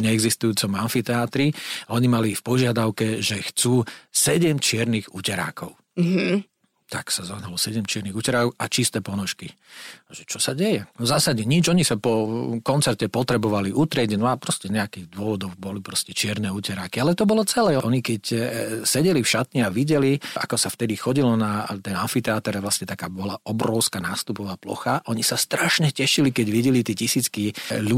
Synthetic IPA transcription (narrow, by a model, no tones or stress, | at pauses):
ɲɛɛɡzist̪ujuːt͡sɔmanfit̪ɛaːt̪ɾiɔɲimalifpɔʒɪad̪aʊkɛʒɛxt͡suːsɛɟɛmt͡ʃɪɛɾniɣuːcɛɾa̰ːkɔʊ | ɦ | t̪aksazaɦnalɔsɛɟɛmt͡ʃɪɛɾniɣucɛɾaːkɔʔat͡ʃist̪ɛːpɔnɔʃki | ʒɛt͡ʃɔsaɟɛjɛzaːsaɲɛɲid͡ʒɔɲisapɔkɔnt͡sɛɾcɛpɔt̪ɾɛbɔʋaliʔut̪ɾɪɛɟnɔapɾɔscɛɲɛakiːɣd̪ʊɔʋɔd̪ɔʊbɔlipɾɔscɛt͡ʃɪɛɾnɛːuːcɛɾakialɛt̪ɔbɔlɔt͡sɛlɛːɔʔɔɲikɛcsɛɟɛlifʃat̪ɲɛaʋiɟɛlia̰kɔsaft̪ɛd̪ixɔɟilɔnat̪ɛnanfit̪ɛat̪ɛɾɛvʋlasɲɛt̪akaːbɔlaʔɔbɾɔʊskaːnaːst̪upɔʋaːplɔ̰xaʔɔɲisast̪ɾaʃɲɛcɛʃilikɛɟʋiɟɛlit̪iɛcisiːt͡skilu